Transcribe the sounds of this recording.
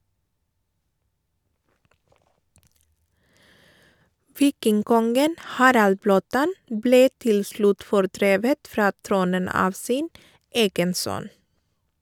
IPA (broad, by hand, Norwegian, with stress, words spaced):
ˈʋiːkɪŋˌkɔŋɡən ˈhɑːɾɑl ˈbloːˌtɑn ˈbleː ˈtɪl ˈslʉt fɔɾˈdɾeːʋət ˈfɾɑː ˈtɾuːnən ˈɑːʋ ˈsiːn ˈeːɡən ˈsœn